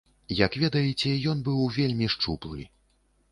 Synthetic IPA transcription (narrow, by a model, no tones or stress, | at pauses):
jɐkvʲɛd̪ɐjit͡sʲɛjɔnbɨwvʲelʲmʲiʂt͡ʂuplˠɨ̰